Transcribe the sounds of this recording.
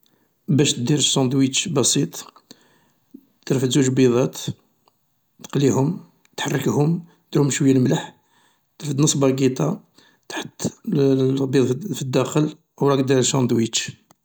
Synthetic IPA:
bæʃt̪d̪iɾəʃːɑnd̪wit͡ʃbɑsˤit̪ˤ | t̪ɾfət̪zuʒlbiðˤɑt̪ | t̪ə̥qlihʊm | t̪ħarˤːəkhʊm | d̪̥ɾhʊmʃwəjːalmləħ | t̪ɾfəd̪nəsˤbɑɡit̪ˤɑ | t̪ħət̪ː | biðˤfid̪ːæxəl | wɾˤɑkd̪iɾʃɑnd̪wit͡ʃ

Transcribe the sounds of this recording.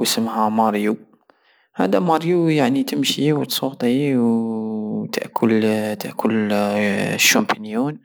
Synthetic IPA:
wəsəmhæmɑɾju | ha̰ːd̪amɑɾjujaʕnit̪əmʃiwt̪sˤuːɣt̪ˤiw | t̪ə̰ʔkʰʊlt̪əʔkʰʊl | ʃːompinjuːn

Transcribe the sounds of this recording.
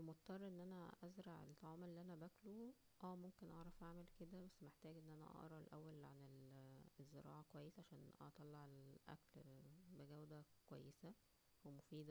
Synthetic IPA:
mot̪t̪ːɑrˤːʔenːʔænæʔæzɾˤɑʕḛlt̪ːˤɑʕɑːmelːiːʔænæbæklo | ʔæːmomkenʔɑʕɾˤɑfʔaʕmelked̪æbæsːmeħt̪æːɡʔenːʔænæ̰ʔɑ̰ʔɾˤɑelʔæwːælʕanelezːḛɾˤɑ̰ːʕɑkowæjːesʕaʃæːnʔɑ̰t̪ˤɑlːɑʕelʔæ̰klbeɡæwd̪ækowæ̰jːesæ | wemofiːd̪æ

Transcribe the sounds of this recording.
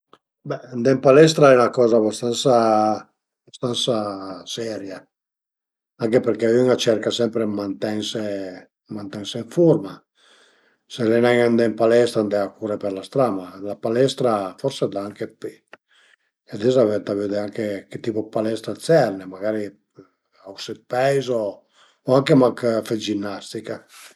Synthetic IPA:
bɛnd̪ɛmpalɛs̬t̪ɾaɛnakɔːzabast̪ansa | bast̪ansasɛɾja | aŋkepeɾkeyŋat͡ʃɛɾkasɛmpɾemant̪ɛŋse | mãnt̪ɛŋseiɱfuɾma | seɾenɛŋand̪empalɛst̪ɾand̪ɛakuɾepeɾlast̪ɾamalapalɛst̪ɾafɔɾsed̪aaŋkepe | ed̪izavɛnt̪avyd̪eaŋkeket̪ːipopalɛst̪ɾat̪sɛrnemaɡaɾi | awsepɛjzo | oaŋkemaŋkfed͡ʒinːast̪ika

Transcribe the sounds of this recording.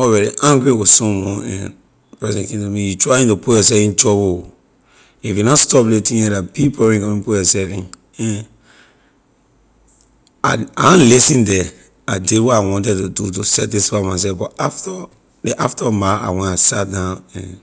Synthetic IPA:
ɔɹɛɾḭʔãŋɡɹiwisɔ̃mɔ̃ɛ̰̃n | pɹɛsɛ̃nkĩntumĩjutɹaĩntupujɔsɛvĩnd͡ʒɔbo | ifjunastɔpletĩɛdabipɔɹĩkɔ̃mĩpujɔsɛfĩn | ɛ̃n | aaãnlisĩndɛ | adidwɔtawɔ̃ntɛtudutusɛt̚disfamas̬ɛfbɔtaftɔ | dɛʔaftɔmaa̰wɛ̃nasat̚dãnɛ̰̃n

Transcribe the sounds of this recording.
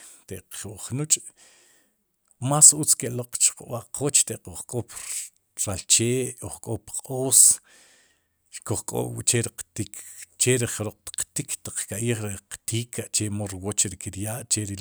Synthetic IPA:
t̪eʔuʔχnut͡ʃʼ | masut͡skeʔloq͡χt͡ʃqṵɓaʔqʰot͡ʃt̪eʔqoχkʼop | ɾalt͡ʃeːʔoχkʼopqʼoːs | koχkʼo̰t͡ʃeɾiqt̪ikt͡ʃeɾiχɾoq̚t̪qt̪ikʰt̪aq͡χkaʔiːχɾiqt̪iːkʰaʔt͡ʃemoɾwot͡ʃɾikiɾjaːʔt͡ʃeɾi

